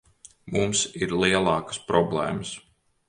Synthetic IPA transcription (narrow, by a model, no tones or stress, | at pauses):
mumsiɾlˠiɛlˠɑːkə̥spɾɔblˠɛ̰ːməs